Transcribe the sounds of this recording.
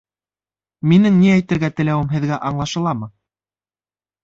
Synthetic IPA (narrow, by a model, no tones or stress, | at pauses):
minɘŋniæjt̪ɘ̆ɾɡæt̪ɘ̆læwɘmɦɘ̆ðɡæʔɑɴlˠɑʃɤ̆lˠɑmɤ